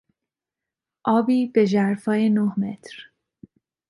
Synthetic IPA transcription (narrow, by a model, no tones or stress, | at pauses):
ʔɒːbiːb̥e̞ʒæɾfɒːjenohme̞t̪ʰɾ